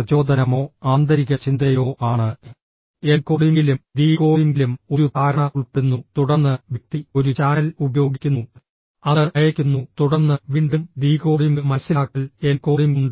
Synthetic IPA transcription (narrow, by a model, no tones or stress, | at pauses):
ɐt͡ɕo̞ːd̪ɐnɐmo̞ːaːnd̪ɐɾiɣɐt͡ɕind̪ɐjo̞ːʔaːɳɨ | enko̞ːɽiŋɡilumd̪iːko̞ːjiŋɡilumo̞ɾut̪aːɾɐɳɐuɭpeɽunːut̪uɽɐrnːɨʋjɐk̚t̪io̞ɾut͡ɕaːnɐlubɐjo̞ːɡikʲːunːu | ɐðɐɐjɐkʲːunːut̪uɽɐnːɨʋiːɳɖumd̪iːko̞ːɽjuŋɡmɐsilaːkːilenko̞ːɽimuɳɖɨ